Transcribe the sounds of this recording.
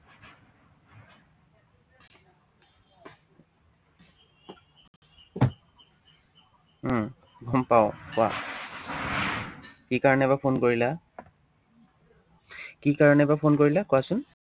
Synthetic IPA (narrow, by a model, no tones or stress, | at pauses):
ɡɔmpaʊ̃kʊa̰ | kikaɹɔnɛɛbapʰonkoɹila | kikaɹɔnɛbapʰonkoɹilakʊwasʊn